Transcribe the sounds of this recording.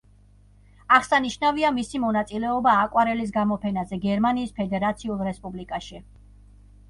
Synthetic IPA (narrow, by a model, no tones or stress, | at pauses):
aʁsaniʃnaviamisimɔnat̪sʼilɛɔbaːkʼwaɾɛlis̬ɡamɔpʰɛnazɛɡɛɾmaniːspʰɛd̪ɛɾat̪sʰiulˠɾɛspʼublikʼaʃi